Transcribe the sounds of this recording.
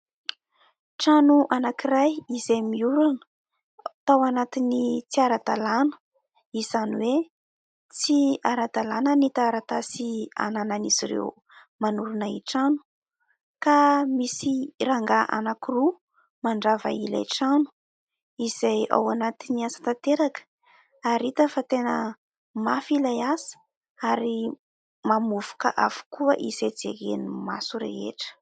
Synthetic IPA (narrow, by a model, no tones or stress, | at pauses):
ʈ͡ʂanuʔanakiɾajizejmiuɾanə̥ | t̪awanat̪init͡siaɾad̪̥alanə̥ | iz̥aniwe | t͡siaɾad̪alanənit̪aɾat̪asia̰nananiz̥iɾḛw | manuɾunaḭʈ͡ʂanu̥ | kamisiɾaŋɡaʔa̰nakiru | maɳɖ͡ʐava̰ila̰ʈ͡ʂanu̥ | iz̥aja̰wanat̪iniasḁt̪at̪eɾakə̥ | aɾit̪əfat̪enə | mafilajasə̥ | aɾi | mamuvu̥kə̰ʔavu̥kuəʔized͡zḛɡḛnima̰suɾḛɦḛʈ͡ʂə̥